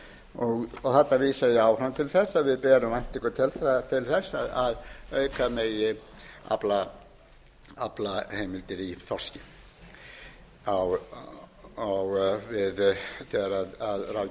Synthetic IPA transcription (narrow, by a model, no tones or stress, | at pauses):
ɔɣɔθat̪ːaviːsajɪaːwrant̪ʰɪlθɛsːaðvɪðpɛːɾʏmajn̥t̪ihkʏt̪ʰɛlθat̪ʰɪlθɛsːaðaðœːɥkameːjɪa̰pla | aplaheːjmɪlt̪ɪɾiθɔr̥scɪ | aw | awvɪðt̪ɛɾaðaðra